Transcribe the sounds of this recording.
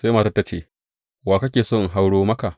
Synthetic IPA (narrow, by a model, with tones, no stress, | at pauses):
se˦maː˨ta˦ta˦t͡ʃeː˦˨ | waː˨kɐ˦kʲeː˨so˦˨ŋ˨ɦa˦wɽoː˦mɐ˦ka˨ʔ